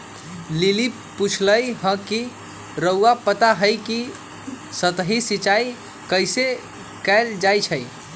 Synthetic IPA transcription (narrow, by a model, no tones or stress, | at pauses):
lili | put͡ʃʰləjɦə̃ki | ɾəwapət̪aɦəjki | sət̪ɦisit͡ʃaj | kəjse | kaɪld͡ʒajt͡ʃʰəj